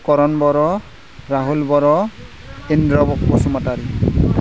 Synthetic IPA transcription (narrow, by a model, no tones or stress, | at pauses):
kɔɾɔnbɔɾɔ | ɹaɦulbɔɾɔ | endɹɔbɔk̚pɔsumataɾi